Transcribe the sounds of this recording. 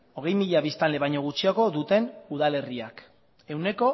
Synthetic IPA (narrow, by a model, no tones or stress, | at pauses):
o̞ɣe̞jmiʎaβist̪anle̞βajɲo̞ɣ̞ut͡ʃiako̞ðut̪e̞nuð̞ale̞riak | e̞wne̞ko̞